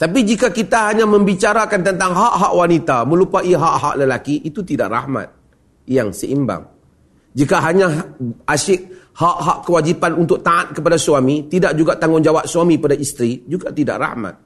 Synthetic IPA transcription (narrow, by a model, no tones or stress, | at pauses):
t̪apid͡ʒikakit̪aɦaɲãmə̃mbit͡ʃaɾakant̪ənt̪aŋɦaʔɦaʔwanit̪amə̃lupaiɦaʔɦa̰ʔləlakiʔit̪ut̪idaʔra̰hma̰t̪̚ | jaŋsəʔimba̰ŋ | d͡ʒikaɦaɲãɦasɪʔ̚ | haʔɦaʔkəwad͡ʒipanunt̪ʊk̚t̪aʔat̪̚kəpadasuamit̪idaʔd͡ʒuɡaʔt̪aŋʊnd͡ʒawap̚suamikəpadaʔist̪ɾid͡ʒuɡaʔt̪ida̰ʔra̰hma̰t̪̚